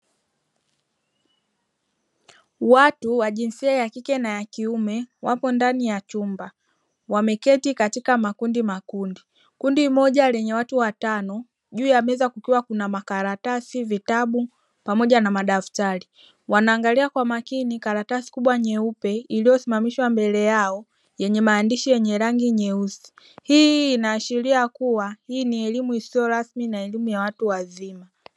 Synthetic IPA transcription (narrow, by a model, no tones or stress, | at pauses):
watuwaʄinsiajakikɛnajakiumɛwapɔndanijat͡ʃumba | wamɛkɛtikatikamakundimakundi | kundimɔʄalɛɲɛwatuwatanɔ | ʄuːjamɛzakukiwakunamakaɾatasivitaɓu | pamɔʄanamaɗaftaɾi | wanaːŋɡaliakwamakinikaɾatasi̥kuɓwaɲɛupɛilijɔsimamiʃwambɛlɛjaɔ | jɛɲɛmaːndiʃijɛɲɛɾaŋɡiɲɛusi̥ | hiːnaːʃiɾiakuwahiːniɛlimuisiɔɾasminaɛlimujawatuwazima